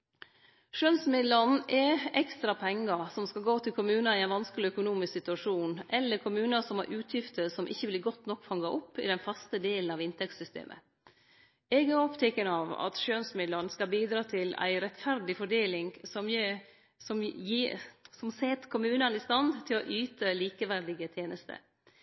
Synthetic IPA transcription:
ʃønsmɪd̪lənʔɛɛkst̪ɾɑpʰɛŋːɑɾsɔmskɑlɡoːt̪ʰɪlkʰʊmʉːnɑɪæɪnʋɑnskəlɪœkʊnuːmɪsksɪt̪ʉɑʂuːnʔɛlːəɾkʰʊmʉːnɑsɔmæ̰ɾʔʉːt̪ʰjɪft̪əsɔmʔɪçːəblɪɡɔt̪ːnɔkːfɑŋːɑʔɔpːɪ̰d̪ɛnfɑst̪əd̪eːln̩ɑʋɪnt̪ʰɛk̚t̪sʏst̪ḛːmʔə̰ | ɛɡæɾɔpt̪ʰɛkːənɑʋɑ̰t̪ʃøːnsmɪd̪lənəskɑlbiːd̪ɾɑːt̪ʰɪlæ̰ɪɾɛt̪fæɾd̪ɪfɔɖeːlɪŋsɔm | sɔmjisɔmseːt̪kʰʊmʉːnɑnɪst̪ɑnd̪t̪ʰɪlɔʔyːt̪əliːkəʋæɾd̪ɪɡət̪ʰjeːnəst̪ʰə̰

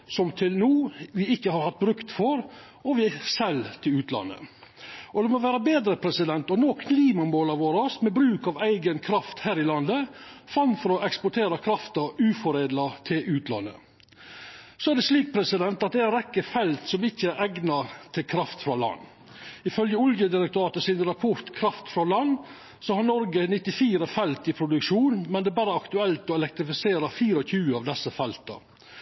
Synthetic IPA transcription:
sɔmt̪ʰɪlnuːʋɪɪçːəhɑɾhɑt̪̚ːbɾʉkt̪fɔɾ | ɔʋɪsɛlːt̪ʰɪlʉːt̪ʰlɑ̰nːə̰ʔɔd̪ɛmɔʋæːɾəbeːd̪ɾəpʰɾɛsɪd̪ɛnt̪ɔnoːkʰliːmɑmoːlɑɾʋoːɾɑsmɛbɾʉːkɑʋæɪɡənkʰɾɑft̪hæːɾɪlɑnd̪əfɾɑnːfɔɾɔɛkspɔʈʰeːɾɑkʰɾɑft̪əɾʉːfɔɾeːd̪lɑt̪ʰɪlʔʉːt̪lɑ̰nːə̰ | sɔæɖɛsliːk̚pʰɾɛsɪd̪ɛnt̪ɑt̪̚d̪ɛænɾɛkːəfɛlt̪sɔmɪçːəæɾʔɛɡnɑt̪ʰɪlkʰɾɑft̪fɾɑlɑ̰nː | ɪfœljəʊljəd̪ɪɾɛk̚t̪ʊɾɑːt̪əsɪnɾɑpʰɔɾt̪kʰɾɑft̪fɾɑlɑnː | sɔhɑɳɔɾɡənɪt̪ːɪfiːɾəfɛlt̪ɪpʰɾʊd̪ʉkʂuːnmɛnd̪ɛːbæːɾəɑkt̪ʉɛlt̪ɔɛlɛk̚t̪ɾɪfɪseːɾəfiːɾəɔçʉːəɑʋd̪ɛsːəfɛlt̪ə̰

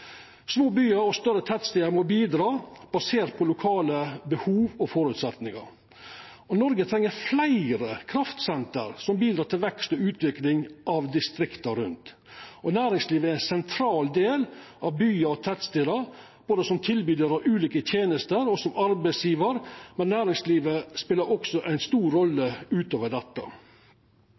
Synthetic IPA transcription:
smoːbyːəɾɔst̪œɾət̪ʰæt̪st̪ɪːəɾmɔbiːd̪ɾɑːb̥ɑseːɾt̪̚pʰɔlʊkʰɑːləbəhuːʋɔfɔɾʉt̪sɛt̪nɪŋɑ̰ɾ | ɔnɔɾɡət̪ʰɾɛŋːəɾflæɪɾəkʰɾɑft̪sɛnt̪ə̰ɾsɔmbiːd̪ɾɑːt̪ɪlʋɛkst̪ɔʉːt̪ʰʋɪklɪŋʔɑʋd̪ɪst̪ɾɪkt̪ɑɾʉnt̪ | ʔɔnæːɾɪŋsliːʋəæɾæɪnsɛnt̪ʰɾɑːld̪eːlʔɑʋbyːɑɔt̪ʰæt̪st̪ɪɾəɾ | b̥oːd̪əsɔmt̪ʰɪlbyːd̪əɾɑʋʉːliːkət̪ʰjeːnəst̪əɾɔsɔmɑɾbæɪsjiːʋəɾmɛnːæːɾɪŋsliːʋəspɪlːəɾɔksɔʔæɪnst̪uːɾɾɔlːəʉːt̪oːʋəɖɛt̪ːə̰

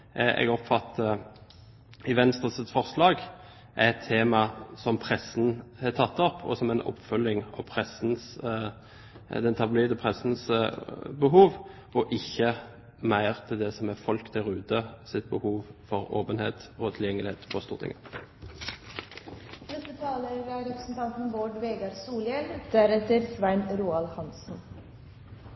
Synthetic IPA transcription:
ɛ̰ɡɔpfɑt̪ːə | ɪʋɛnst̪ʁəsət̪sfɔʁslɑːɡ | ʔæɛt̪ʰːeːmɑsɔmpʰʁɛsnhɛt̪ʰɑt̪ːɔpʰɔ̰sɔmɛɪnɔ̰pːfœlːɪŋɑ̰ʋpʰʁɛsn̩s | d̪ɛnt̪ʰɑbliːd̪əpʰʁɛsn̩s | bəɦuːʋ | ɔʔɪçːə | mæɪʁt̪ʰɪld̪ɛsɔmɛfɔlkd̪ɛʁʉːd̪əsɪt̪̚bəhuːʋfɔʁoːpənhḛːt̪ɔt̪ʰɪljɛŋːəlɪheːt̪pʰɔst̪uːʁt̪ʰɪ̰ŋə | nɛst̪ət̪ʰɑːləɾæɾɛpɾəsn̩t̪ʰɑnt̪n̩boːɖʋeːɡɑɾsuːljɛld̪̥æɾɛt̪əɾsʋæɪnɾuːɑlhɑnsn̩

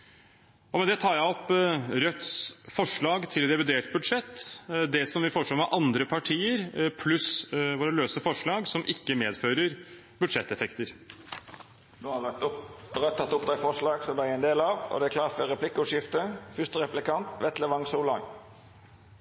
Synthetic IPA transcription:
ɔmɛnd̪ɛt̪ʰɑːɾjæɪɔpːɾœt̪ːfɔʂɭɑːɡt̪ʰɪld̪ɛʋɪd̪eːʈbʉd̪ʂɛt̪ːd̪ɛsɔmʋɪlfɔʂɭoːmɛʔɑnd̪ɾəpʰɑʈʰiːəɾpʰlʉsʋoːɾəløːsəfɔʂɭɑːɡsɔmʔɪkːəmeːd̪føːɾəɾ | bʉd̪ʂɛt̪ːɛfɛkt̪əɾ | noɑ | ɾœt̪ʰːɑt̪ːʊpd̪æɪfɔʂlɑːɡsɔmd̪ææɾɛɪnd̪eːlɑʋɔ̰d̪ɛækʰlɑːfəɾɛpʰlɪkːəʉʂjɪft̪əfʏst̪əʁɛplɪkɑnt̪ʋɛt̪ləʋɑŋsuːlɑŋ

